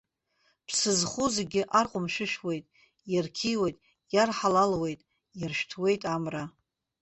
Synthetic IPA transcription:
pʰsɨzχuzeɡʲɪʔarqʷʼʊmʃᶣɪʃᶣwe̞jtʼ | jarkʲʰiwejtʼ | jarħalalwe̞jtʼ | jarʃᶣtʰwe̞jtʼamra

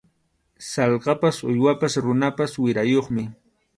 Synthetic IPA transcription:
sɑlqɑpasʊjwapasɾʊnapaswɪɾajoχmɪ

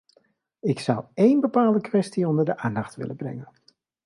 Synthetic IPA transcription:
ɪksʌwejnbəpaːlˠdəkʋɛstiɔndəɹdəʔaːndɑχtʋɪ̰ləbrɛ̰ŋən

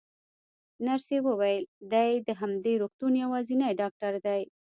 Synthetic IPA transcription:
naɾsewəwajəld̪ajd̪əɦamd̪eɾuxt̪unjawɑzinajɖɑk̚ʈaɾd̪aj

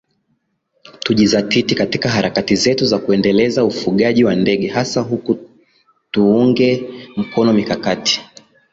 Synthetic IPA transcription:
tuʄizatitikatikaɦaɾakatizɛtuzakuɛndɛlɛzaufuɠaʄiwandɛɠɛɦasaɦuku | tuuŋɡɛm̩kɔnɔmikakati̥

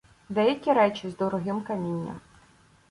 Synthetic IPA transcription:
d̪ɛjɐkʲiɾɛt͡ʃʲizd̪ɔɾɔɦɪmkɐmʲinʲːɐ̰m

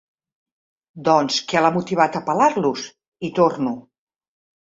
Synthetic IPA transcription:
d̪ɔnskɛlamut̪iβ̞at̪əpalaɾlus | it̪ornu

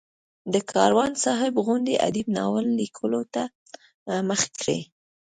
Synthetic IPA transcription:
d̪əkʰɑɾwɑnsɑɦɪbɣʊnd̪eʔa̰d̪ibnɑ̰wəlːikʰəlot̪a | məxe̥kɽḛ

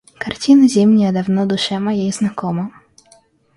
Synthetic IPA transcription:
kartʲinɐzʲɛmnʲiɐd̪awnɔd̪ʊʃɛmɐjejznakɔmɐ

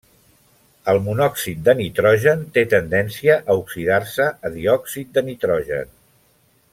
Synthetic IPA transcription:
əlˠmunɔksit̪̚d̪ənit̪ɾɔʒənt̪et̪ənd̪ɛnsiəʔəuksiðarsəːðiɔksit̪̚d̪ənit̪ɾɔʒə̰n

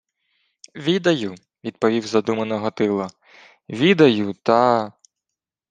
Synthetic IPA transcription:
ʋʲid̪ɐju | ʋʲid̪̚pɔʋʲiwzɐd̪umɐnɔɦɔt̪ɪlˠɐ | ʋʲid̪ɐjut̪ɐ

